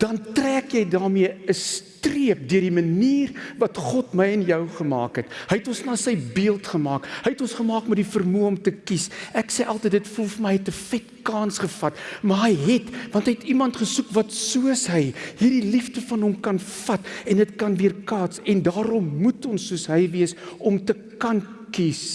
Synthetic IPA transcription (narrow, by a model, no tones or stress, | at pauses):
d̥ɐntræːkjɛjdɑːmiəəstriəp̚dyərdiməniːrvɐtχɔtməjənjəwχəmɑ̰ːkətɦəjtɔnsnɑːsəjbiəlˠtχəmɑːkɦəjɛtɔnsχəmɑːkmɛdifərmuəɔmtəkisæksɛjʔɐlˠtəjtdətfɔlfməjtəfɛt̚kɑːnsχəfɐtmɐɦəjɦɛtvɐntɦəjɛtimɐntχəsukvɐtsuəsɦəjɦiːrdiliftəfɐnɦɔmkɐnfɐtɛndətkɐnviərkɑːtsɛndɑːɾɔmːutʰɔnsːuəsɦəjviəsɔmtə | kɐn | kis